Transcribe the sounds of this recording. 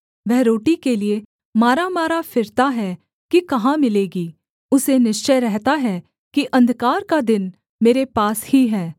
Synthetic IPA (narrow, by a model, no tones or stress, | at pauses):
ʋɛɦɾoːʈikelie | maːɾamaːɾafɪɾt̪aɦɛ | kikɐɦãmɪleːɡiː | ʊsenɪʃt͡ʃəjɾɛɦt̪aɦɛː | kiʔɐ̃nd̪ʱkaːɾkad̪ɪn | meːɾepaːshiɦɛː